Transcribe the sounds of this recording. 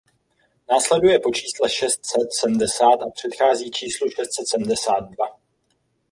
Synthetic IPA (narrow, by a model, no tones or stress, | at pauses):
naːslɛdujɛpo̞t͡ʃiːslɛʃɛst̪sɛt̪sɛbm̩dɛsaːt̪ʔapr̝̥ɛt̪xaːziːt͡ʃiːsluʃɛst̪sɛt̪sɛm̩dɛsaːt̪̚dva